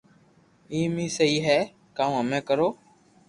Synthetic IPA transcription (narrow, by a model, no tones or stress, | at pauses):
iːmiːsəiːɦɛː | kaːuɦəmẽːkəɾoː